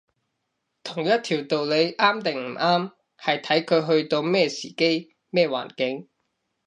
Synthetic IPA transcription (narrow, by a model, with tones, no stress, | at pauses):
t̪ʰʊ˨˩ŋjɐ˥t̚t̪ʰiː˨˩wt̪o˨wle˨˧jʔaː˥mt̪ɪ˨ŋm̩˨˩ʔaː˥m | hɐ˨jt̪ʰɐ˨˥jkʰɵ˨˧ɥɦɵ˧ɥt̪o˧wmɛː˥˧siː˨˩ke˥j | mɛː˥˩wa̰ː˨˩nkɪ˨˥ŋ